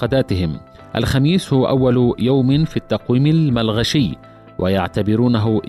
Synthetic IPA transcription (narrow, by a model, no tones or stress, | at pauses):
ɑd̪aːt̪ɪhɪm | ʔa̰lxamiːshʊwʔawːaljawmɪnfiːt̪ːɑqwiːmɪlmalɣaʃɪjː | wʔajaʕt̪abɪɾuːnaɦʊ